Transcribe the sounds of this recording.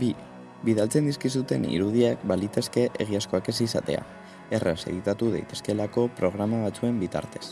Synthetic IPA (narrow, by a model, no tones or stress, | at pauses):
bi | biðalt͡se̞nd̪iskis̬ut̪e̞nḭɾuð̞iakbalit̪e̞ske̞ʔḛɣ̞iasko̞ake̞sisa̰t̪e̞̰a̰ | e̞rese̞̰ðit̪at̪uð̞ejt̪e̞ske̞lako̞pɾo̞ɣɾamaβat͡sue̞mbit̪a̰ɾt̪e̞̥s